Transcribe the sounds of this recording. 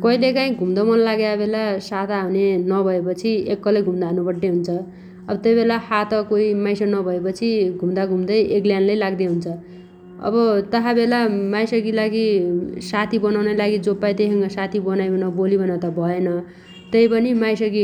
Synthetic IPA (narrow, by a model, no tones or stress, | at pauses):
kʌɦilekaĩɡʱumd̪ʌmʌnlaɡeabelasat̪ʰaɦunenʌbʱʌepʌt͡sʰiekːʌleɡʱumd̪aɦanupʌʈneɦunt͡sʰʌ | ʌbʌt̪ʌjbelahat̪ʌkoimajsʌnʌbʱʌepʌt͡sʰiɡʱumd̪aɡʱumd̪ʌjekljanlajlaɡd̪eɦunt͡sʰʌ | ʌ̰bʌt̪ʌɦabelamajsʌɡilaɡisat̪ʰibʌnawnʌlaɡid͡zopːajt̪esʌŋɡʌsat̪ʰibʌnajbʱʌnʌbolibʱʌnat̪ʌbʱʌenʌ | t̪ʌjpʌnimajsʌɡi